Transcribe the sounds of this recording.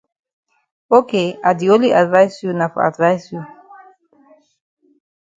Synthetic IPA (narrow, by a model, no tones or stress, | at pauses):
okeadioliʔadvajsjunafa̰dvajsju